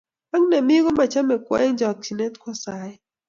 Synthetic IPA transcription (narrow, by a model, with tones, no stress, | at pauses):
a˦ŋne˨mɪ˦ɡɔ˦ma˨t͡ʃa˦mɛ˨kwɛ̰˦d͡ʒɔ˨k̚t͡ʃi˨ne˦t̪kwɔ˦sa˨jɛ˦